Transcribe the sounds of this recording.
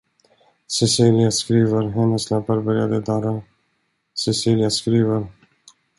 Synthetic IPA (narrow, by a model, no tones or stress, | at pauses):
sɛsiːlɪaskɾiːvəɾɦɛnːəsnapːaɾbœɾja̰d̪əd̪ɑːɾa | sɛsiːlɪjaskɾiːvəɾ